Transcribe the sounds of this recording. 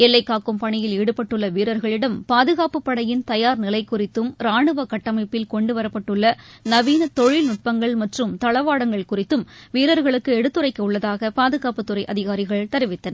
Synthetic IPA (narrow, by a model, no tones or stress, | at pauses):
ɛlːɐɪkːaːkɯmpɐɳɪjɪliːɽɯpːɐʈːɯɭːɐʋiːɾɐɾɣɐɭɪɽɐmpaːðɯɣaːpɯpːɐɽɐjɪnt̪ɐjaːɾnɪlɐɪkːʊrɪt̪ːɯmɾaːɳɯʋɐkɐʈːɐmɐɪpːɪlkɔɳɖɯʋɐɾɐpːɐʈːɯɭːɐnɐʋiːnɐt̪ɔɻɪlnʊʈ̚pɐŋɡɐɭmɐʈrɯmt̪ɐɭɐʋaːɽɐŋɡɐɭkʊrɪt̪ːɯmʋiːɾɐɾɣɐɭɯkːɯɛɽɯt̪ːɯrɐɪkːɐʊɭːɐðaːɣɐpaːðɯɣaːpɯt̪ːɯrɐɪʔɐðɪɣaːɾɪɣɐɭt̪ɐɾɪʋɪt̪ːɐnɐ